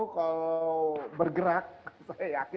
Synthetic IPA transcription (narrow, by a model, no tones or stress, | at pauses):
kalawbərɡəɾak̚sajajakɪ